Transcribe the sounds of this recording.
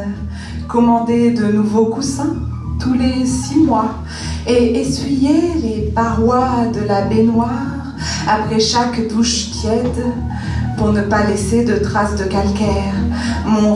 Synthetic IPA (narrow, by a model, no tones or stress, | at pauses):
kɔmɑ̃d̪ed̪ənuvokusɛ̃t̪ulesimwa | eːsɥijɛlepaʁwad̪əlabenwaʁ | apχɛʃakd̪uʃt̪jɛd̪ | puʁnəpalɛsed̪ət̪χasd̪əkalkʲɛʁmɔ̃